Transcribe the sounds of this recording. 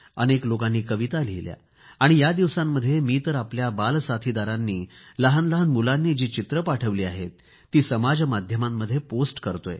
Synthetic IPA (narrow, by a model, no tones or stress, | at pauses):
ə̰neklokanːiːkəʋit̪alijlja̰ | aɽ̃ijad̪iʋsãmːəd̪ʱːjemiːt̪əɾapljabalsat̪ʰid̪aɾanːiːləɦanləɦənmulanːiːd͡ʑiːt͡ɕit̪ɾəpaʈʰəʋliːaɦet̪ː | iːsəmad͡zmad̪ʱjəmamːəd̪ʱːjeposʈkəɾt̪oj